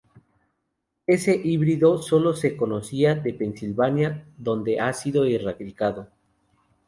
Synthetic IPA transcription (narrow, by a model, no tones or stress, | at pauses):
e̞se̞ʔiβɾiðo̞so̞lo̞se̞ko̞no̞siaðe̞pe̞nsilβanjaðo̞nd̪e̞ʔasiðo̞irakɾikaðo